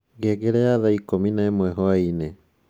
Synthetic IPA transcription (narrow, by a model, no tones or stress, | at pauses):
ɡeɡɛɾɛaðaikominaemwɛɦɔaine